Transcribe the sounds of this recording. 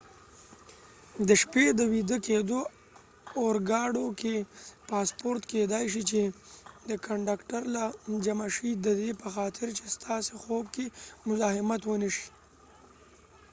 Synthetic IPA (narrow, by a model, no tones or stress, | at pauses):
d̪əʃped̪əwid̪əked̪oː | ɾɡɑɽokepɑspoɾt̪ked̪ajʃit͡ʃed̪əkaɳɖakʈaɾlad͡ʒamaʃid̪əd̪epəxɑt̪ʰɪɾt͡ʃest̪ʰɑsexob̚kemʊzɑhɪmat̪wənəʃi̥